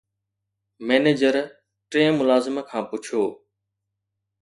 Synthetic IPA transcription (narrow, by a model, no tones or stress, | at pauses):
meːneːd͡ʒəɾ | ʈɾẽːmʊlaːzɪmkʰãːpʊt͡ʃʰoː